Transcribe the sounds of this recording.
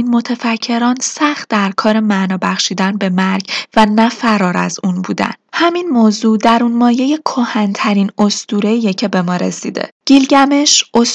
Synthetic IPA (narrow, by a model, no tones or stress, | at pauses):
inmo̞t̪ʰefæcʰːe̞ɾɒːnsæxt̪̚d̪̥æɾkʰɒːɾe̞mænɒːbæxʃiːd̪ænbe̞mæɾɡvænæfæɾɒːɾæ̰zunbuːd̪æ̰nhæminmoːzuːd̪æɾunmɒːje̞je̞kʰohænt̪ʰæɾiːno̞st̪uːɾe̞ijecʰe̞be̞mɒːɾḛsḭːd̪e̞̰ɟ̥ilɟæme̞ʃos